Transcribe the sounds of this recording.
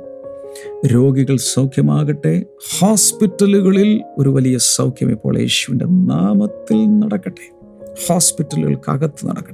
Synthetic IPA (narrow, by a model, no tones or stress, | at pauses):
ɾo̞ːɡiɣɐɭsɐwkʰjɐmaːɣɐʈːe̞ | hoːspitːɐluɣɐɭilo̞̰ɾuʋɐlijɐsɐwkʰjɐ̰mipːo̞ːɭjḛːɕuʋinde̞̰naːmɐt̪ːilnɐɽɐkːɐʈːe | hoːspitːɐluɣɐ̰ɭkɐ̰ɣɐt̪ːɨnɐ̰ɽɐ̰kːɐ̥ʈː